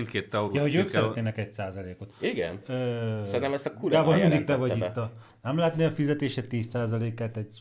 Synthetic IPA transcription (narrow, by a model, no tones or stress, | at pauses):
nt̪keːt̪ːɛut̪jɛɦo̞ɟøːksɛɾɛt̪eːnɛkɛɟsaːzɒleːkot̪iɡɛ̰nøːsɛɾinɛmɛst̪ɒkulaːbolmind̪ik̚t̪ɛvɒɟit̪ːɒ | nɛmlaɦɛt̪neːɒfizɛt̪eːʃɛt̪ːiːssaːzɒleːkaːt̪ɛɟ